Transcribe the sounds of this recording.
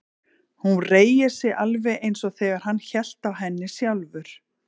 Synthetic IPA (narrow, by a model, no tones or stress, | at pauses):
hunreːjɪ̥sɪʔalvɛʔejnsɔɣθɛːɣaɾ̥ɦanːçɛl̥t̪awɦɛnːɪsjawlvʏɾ̥